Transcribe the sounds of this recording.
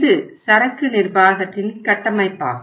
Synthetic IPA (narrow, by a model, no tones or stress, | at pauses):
ðɯsɐɾɐkːɯnɪrbaːɣɐt̪ːɪlkɐʈːɐmɐɪpːa̰ː